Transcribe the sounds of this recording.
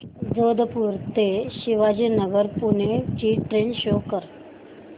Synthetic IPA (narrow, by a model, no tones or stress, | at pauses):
d͡zod̪ʱəpuːɾt̪eɕiʋad͡ʑinəɡəɾpunet͡ɕiːʈɾenɕokəɾ